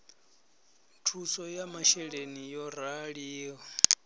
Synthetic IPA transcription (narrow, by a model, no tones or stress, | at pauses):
tʰusɔjamaʃɛɺenijɔɾaɺiːɦɔ